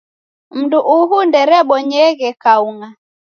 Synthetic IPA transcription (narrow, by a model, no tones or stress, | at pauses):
m̩duʔuɦundɛɾɛɓɔɲɛɣɛkauŋa